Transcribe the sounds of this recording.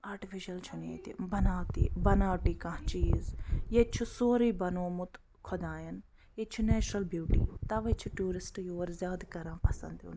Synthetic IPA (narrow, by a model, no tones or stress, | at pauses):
aːɾʈɪfʰiʃɐlt͡ʃʰʊnḛːt̪ibɐnaːt̪iːbɐnaːʈiːkãːt͡ʃiːzjet͡ʃʰusoːɾiːbɐnoːmʊt̪ | kʰɔd̪ãːjɐn | et͡ʃʰunɛːt͡ʃɾəlbjuːʈḭːt̪ɐʋet͡ʃʰuʈuːɾɪsʈjoːɾzʲjaːd̪kɐɾãːpɐsə̰nd̪ṵn